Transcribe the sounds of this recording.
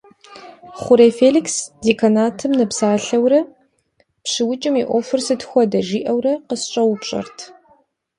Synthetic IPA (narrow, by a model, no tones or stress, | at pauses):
χʷʊɾeːfeːliksdekʰɐnaːtʰɨmnɐpsaːɬɐwɾɐ | pʂɨwʊt͡ʃʼɪmiʔʷoːfɨrsɨtxʷɔdɐʒiːʔɐwrɐqəsɕʼɐwpɕʼɐ̰rtʰ